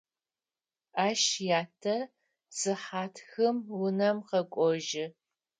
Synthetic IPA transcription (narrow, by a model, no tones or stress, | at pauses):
aːʃjaːtʰɐ | sɨħaːtʰxɨmwʊnɐmqɐkʷʼɔʒɪ